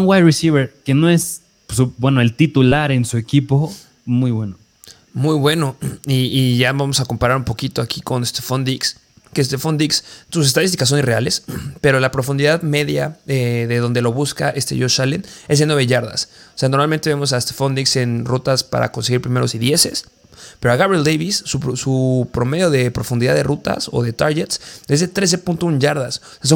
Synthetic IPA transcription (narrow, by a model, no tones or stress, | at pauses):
nwajrisiβeɾkenoes | subwe̞noelt̪it̪ulaɾe̞nsue̞kipo | mujβweno | mujβwe̞no̞iːʝaβamo̞sako̞mpaɾaɾumpo̞kit̪oakʰiko̞nest̪efond̪iks | kest̪efond̪ikstus̬est̪aðist̪ikas̬ːo̞nireale̞spe̞ɾo̞lapɾo̞fund̪iðaðme̞ðjaeðe̞ðo̞nd̪e̞lo̞βuskaʔest̪ḛʝoʃalene̞zðe̞nwe̞βe̞ʝaɾða̰so̥se̞ano̞ɾmalment̪eβe̞mo̞s̬aest̪e̥fo̞nd̪ikse̞nrut̪aspa̰ɾa̰ko̞nse̞ɣiɾpɾimeɾo̞siðje̞se̞̰s | pe̞ɾoaɣaβɾeld̪ejβisːusupɾo̞me̞ðjo̞ðe̞pɾo̞fund̪iðaðe̞rut̪a̰so̞̰ðe̞t̪aɾɣet̪se̞zðe̞t̪ɾe̞s̬e̞punt̪o̞unʝaɾðas | s̬o